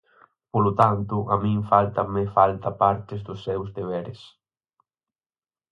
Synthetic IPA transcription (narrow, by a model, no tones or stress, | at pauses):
polʊt̪ant̪ʊʔamĩŋfalt̪ɐmefalt̪ɐpaɾt̪ɪzd̪ʊsːɛwzd̪eβ̞ɛɾɪs